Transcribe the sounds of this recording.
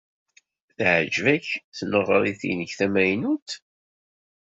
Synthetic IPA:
θʕd͡ʒvæçθnəʁɾˤiθḭnəçθæmæjnut̪

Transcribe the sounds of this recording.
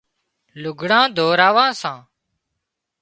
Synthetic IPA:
lʊɡʱɽãːd̪ʱoːɾaːʋãːsãː

